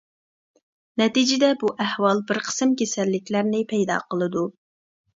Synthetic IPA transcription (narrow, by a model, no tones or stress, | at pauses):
nɛt̪id͡ʒɪd̪ɛbuʔæhwɑlˠbɪɾqʰə̥sɨmkʲesɛlːɪkʲlæɾnɪpʰɛjd̪ɑ̰qʰəlˠɨd̪u